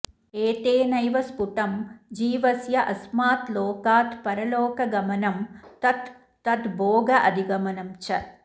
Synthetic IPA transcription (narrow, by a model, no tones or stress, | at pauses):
eːt̪eːnɐjʋɐspuʈɐmd͡ʒiːʋɐsjɐʔɐsmaːt̪loːkaːt̪pɐɾɐlɔːkɐɡɐmɐnɐmt̪ɐt̪ː | ɐt̪bʱɔːɡɐʔɐd̪ʱiɡɐmɐnɐmt͡ʃɐ